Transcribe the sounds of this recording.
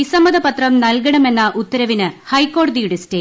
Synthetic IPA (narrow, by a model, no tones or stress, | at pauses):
isɐmɐðɐpɐt̪rɐmnɐlkɐɳɐme̞nːɐʔut̪ːɐɾɐʋinɨhɐjkːo̞ːɽɐðijuɽeste